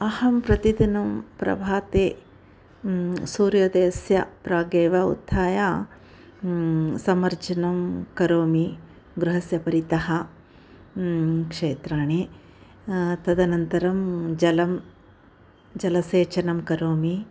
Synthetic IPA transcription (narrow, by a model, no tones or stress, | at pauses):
ɐhɐmpɾɐt̪id̪inɐmpɾɐ̰bʱaːt̪eː | suːɾjoːd̪eːsjɐ̰pɾaːɡeːʋɐṵd̪ʰʱːaːjaː | sɐmɐɾd͡ʒɐnɐmkɐɾoːmi | ɡɾuɦɐsjɐpɐɾit̪ɐhɐ | kʂeːt̪ɾaːɳeː | t̪ɐd̪ɐnɐnt̪ɐɾɐmd͡ʒɐlɐm | d͡ʒɐlɐseːt͡ʃɐnɐmkɐɾoːmi